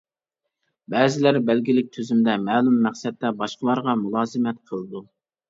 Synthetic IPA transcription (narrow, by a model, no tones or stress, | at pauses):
bɛːzɪlæɾbælɡʲilɪk̚ʲt̪ʰøzymd̪ɛmæːlˠumːæχsɛt̪ːɛbɑʃqəlˠɑɾʁɑmulˠɑːzɨmɛt̪̚qʰəlˠɨd̪u